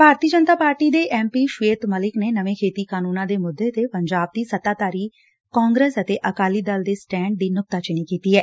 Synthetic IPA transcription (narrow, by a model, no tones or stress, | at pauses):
bʱaːɾt̪iəd͡ʒənt̪aːpaːɾʈiːd̪eːʔɛːmpiːʃʋeːt̪məlɪkneːnəʋẽːkʰeːt̪iːkaːnuːnãːd̪eːmʊd̪ːeːt̪epəɲd͡ʒaːb̚d̪iːsət̪aːt̪aːɾiː | kaːŋɡɾeːsət̪eːʔəkaːliːd̪əld̪eːsʈɛ̃ːɳɖ̚d̪iːnʊk̚t̪aːt͡ʃɪniːkiːt̪iːɦɛː